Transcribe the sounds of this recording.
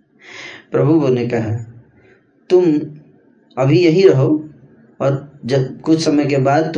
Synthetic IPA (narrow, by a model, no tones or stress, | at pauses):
pɾəbʱuonekəɦa | t̪ʊm | əbʱijəɦĩɾəɦo | ɔːɾd͡ʒəkʊt͡ʃʰsəməjkebaːd̪t̪